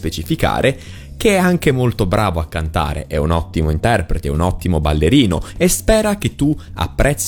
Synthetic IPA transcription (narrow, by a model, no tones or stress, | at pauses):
pet͡ʃifika̰ːɾʔe | k̟eɛaŋk̟emolt̪obɾʔaːvoakːant̪a̰ːɾḛʔɛunɔt̪ːimoint̪ɛrpɾet̪eɛunɔt̪ːimobalːeɾiːno̰espɛːɾak̟et̪ːua̰pːɾʔɛt̪sː